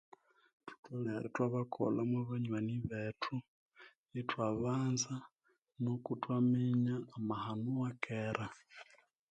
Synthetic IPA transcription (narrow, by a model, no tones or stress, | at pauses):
tu̥toleɾetwaβakʰo̰lamwaβaɲwaniβetʰu | itwaβaːnza | nokutwamiɲaːmahanuwakʰeɾa